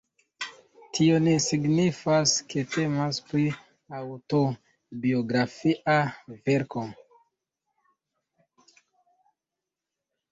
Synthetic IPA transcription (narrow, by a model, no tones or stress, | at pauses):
tʰio̞nesiɡnifaske̞te̞maspli | awto̞ | bioɡɾafiʔave̞ɾko